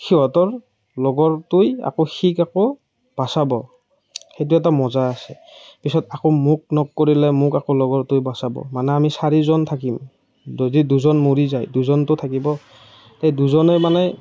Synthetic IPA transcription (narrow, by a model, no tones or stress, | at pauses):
kʰiwatɔɹ | lɔɡɔɹtʊja̰koxikakɔ | b̥asabɔ | xejt̬ʊɛt̬amɔzaasɛ̰ | pisɔtakomuk̚nɔkkːoɹilɛmʊkakolɔɡɔɹtʊjbasabɔ̰manɛamisaɹizɔntʰakim | diduzɔnmuɹizajduzɔntʊtʰakibɔ | tejduzɔnɛmanɛ